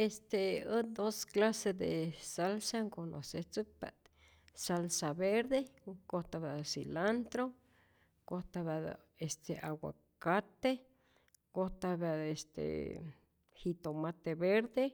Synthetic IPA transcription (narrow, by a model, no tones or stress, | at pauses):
est̪eəd̪osklased̪esalsaŋkono̰set͡sɨk̚pa̰ʔt̪ | salsaβeɾd̪ekot̪aβasilant̪ɾo | kot̪aβad̪̰ | est̪eʔawa̰ | kat̪e | kot̪aβaest̪ḛ | hit̪omat̪eβeɾd̪e